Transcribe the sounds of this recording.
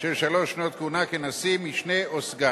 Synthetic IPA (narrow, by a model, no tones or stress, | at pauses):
t͡ʃɛʃaloʃnot̪̚kunakenasimiʃneosɡa